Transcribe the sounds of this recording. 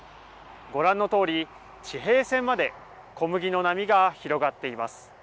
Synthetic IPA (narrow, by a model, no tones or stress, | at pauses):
ɡo̞ɾãnːo̞t̪o̞ːɾʲi | t͡ɕiɦe̞ːsẽ̞mːad̪e̞ | ko̞mɯ̟ɡʲino̞namʲiɡaçiɾo̞ɡat̪ːe̞imasɨ̥